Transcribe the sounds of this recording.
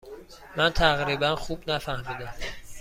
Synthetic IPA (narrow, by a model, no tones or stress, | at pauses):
mænt̪ʰæɣɾiːbænxubnæfæhmiːd̪æm